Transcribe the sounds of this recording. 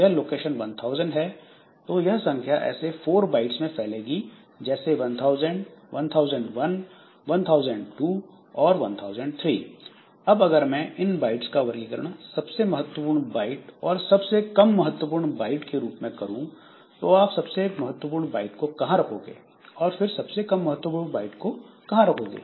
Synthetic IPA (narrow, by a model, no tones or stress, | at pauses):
jɐɦloːkeːʃənʋɐ̃nt̪ʰaːʊzəɳɖɦɛ | t̪oːjɐɦsɐ̃ŋkʰjaʔɛ̰ːsefʰoːɾbaːɪʈsmẽpʰɛɦleːɡi | d͡ʒɛːseʋɐ̃nt̪ʰaːʊzəɳɖʋɐ̃nt̪ʰaːʊzə̃ɳɖʋɐn | ʋɐnt̪ʰaːʊzəɳɖʈuː | ɔːɾʋɐ̃nt̪ʰaːʊzə̃ɳɖt̪ʰɾḭː | ɐbɐɡəɾmɛ̃ʔɪnbaːɪʈskaʋɐɾɡikɐɾnasɐbsemɐɦət̪wəp̬uːɾɳbaːɪʈɔːɾsɐbsekɐmːɐɦət̪ːwəp̬uːɾɳbaːɪʈkeɾuːpmẽkɐɾũ | t̪oaːpsɐbsemɐɦət̪ːwəp̬uːɾɳba̰ːɪʈkokɐɦãɾɐkʰoːɡḛː | ɔːɾfɪɾsɐbsekɐmːɐɦət̪ːwəpuːɾbaːɪʈkokɐɦãɾɐkʰoːɡḛː